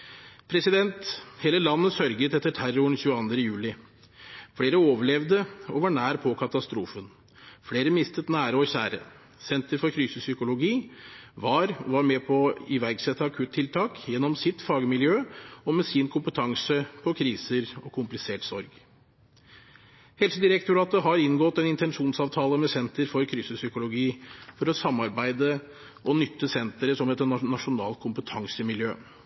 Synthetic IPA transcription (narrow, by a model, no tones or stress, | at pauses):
pʰɾɛsɪd̪ɛnt̪heːləlɑnːəsœɾɡət̪ːɛt̪ːəʈʰæɾʊɳçʉːəɑnd̪ɾəjʉːlɪ | fleːɾəoːʋəɭɛʋd̪əɔʋɑɳæːɾpʰɔkʰɑt̪ɑst̪ɾuːfən | fɽeːɾəmɪst̪ət̪næːɾəɔçæːɾə̰ | sɛnt̪əɾfɔɾkʰɾyːsəsʏkʊlʊɡiːʋɑːɾʋɑɾmɛpʰɔɪʋæɾɡsɛt̪ːɑɑkʰʉt̪t̪ʰːɪlt̪ʰɑːkjɛnːɔmsɪt̪fɑːɡəmɪljøːɔmɛsɪnkʰʊmpət̪ʰɑŋsəpʰɔkʰɾiːsəɾɔkʰʊmplɪseːʈsɔɾɡ | hɛlsəd̪ɪɾɛk̚t̪ʰʉɾɑːt̪əɦɑɾɪnːɡɔt̪ɛnɪnt̪ɛnʂuːnsɑːʋt̪ʰɑːləmɛsɛnt̪əɾfɔɾkʰɾyːsəsʏkʊlʊɡiːfɔɾɔsɑmːɑɾbæɪd̪ə | ʔɔnʏt̪ːəsɛnt̪əɾəsɔmɛt̪nɑnɑʂʊnɑ̰ːlt̪̚kʰʊmpət̪ʰɑŋsəmɪljøː